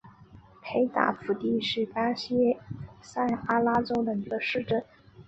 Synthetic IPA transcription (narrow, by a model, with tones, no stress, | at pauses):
pʰe˧˥ɪt̪a̰˨˩fu˧˥t̪i˥˧ʂɻ̩˥˩ka˥ɕi˥sa˥˩ɪa˥la˥ʈ͡ʂo˥ʊd̪ə˨i˧˥ɡə˧ʂɻ̩˥˧ʈ͡ʂə˥˩n